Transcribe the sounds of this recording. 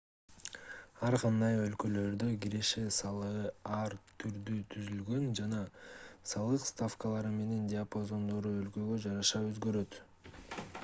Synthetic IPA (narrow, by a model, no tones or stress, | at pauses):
ɑɾqɑnd̪ɑjø̞lkø̞lø̞ɾd̪øɡiɾe̞ʃe̞sɑlˠɯʁɯɑɾt̪ʰyɾd̪yt̪ʰyzylɡø̞nd͡ʒɑnɑsɑlˠɯqst̪afkəlˠɑɾɯme̞ne̞ndʲɪapozo̞nd̪o̞ɾuølkø̞ɡø̞d͡ʒɑɾɑʃɑø̞zɡø̞ɾø̞t̪